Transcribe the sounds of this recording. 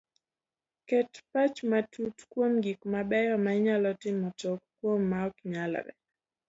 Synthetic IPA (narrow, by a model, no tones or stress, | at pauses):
kɛtpat͡ʃmatʰutkwomɡikmabɛjɔmaɲalɔtɪmɔtɔkkːwomːaɔkɲala̰ɾɛ̰